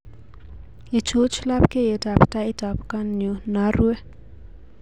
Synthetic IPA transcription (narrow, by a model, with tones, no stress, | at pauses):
i˨t͡ʃo˦t͡ʃla˦pke˦je˨ta˨pta˦ɪ˦ta˨pka˦nːjo˨na˦rwɛ˦